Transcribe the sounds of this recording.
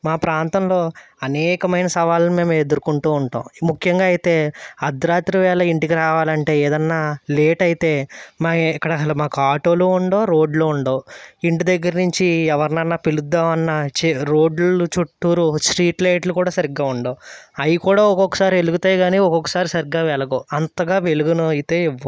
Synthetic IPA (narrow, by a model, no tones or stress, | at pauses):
maːpɾaːnt̪ɐmlo̞ː | ɐnɛːkɐmɐjnɐsɐʋaːlnime̞ːmɐed̪uɾukuɳʈuːɳʈa̰ːmmukʰjɐŋɡaːɐjit̪e̞ːɐd̪ɾaːt̪ɾiʋɛːlɐiɳʈikiɾaːʋaːlɐɳʈe̞ːeːd̪ɐnːaːleːʈɐjit̪e̞ːmaːkːɐɽɐɐɽɐmaːkuaːʈo̞ːloːuɳɖo̞ːɾo̞ːɖloːuɳɖoːiɳʈid̪ɐɡːɐɾinuɲt͡ʃiɛʋɐɾɐnɐnːaːpilud̪ːaːʋɐnːɐt͡ʃeɾo̞ːɖlut͡ʃuʈːuːɾusɾiːʈlɐjʈlukuːɽaːsɐɾiɡːaːuɳɖoːɐjikuːɽaːɔkɔkːɐ̥saːɾieluɡut̪aːjɡaːniːɔkɔkːɐ̥saːɾisɐɾiɡːaːʋɛɭɐɡoːɐnt̪ɐɡaːʋe̞luɡunujit̪e̞ːiʋːɐ